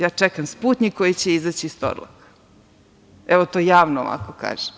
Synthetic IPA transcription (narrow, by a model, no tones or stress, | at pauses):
jaːt͡ʂɛkamspuːt̪ɲiko̞jit͡ɕeizat͡ɕiːst̪o̰ɾlˠa̰k | ɛʋot̪oːjaːʋno̰ːʋa̰koka̰ːʒ̥em